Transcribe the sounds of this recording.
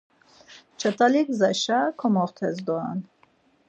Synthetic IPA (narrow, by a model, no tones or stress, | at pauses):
t͡ʃʰət̪alikzaʃakʰɔmɔχt̪ʰɛzd̪ɔa̰n